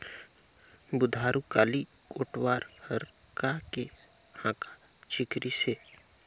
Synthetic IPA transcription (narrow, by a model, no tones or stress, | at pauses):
bʊd̪ʱaːɾukaːli | koːʈwaːɾhəɾ | kake | hãːka | t͡ʃɪkɾiseː